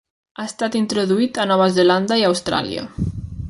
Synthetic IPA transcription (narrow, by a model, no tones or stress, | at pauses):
aest̪at̪int̪ɾoðuit̪anɔβazeland̪aiawst̪ɾa̰lḭa̰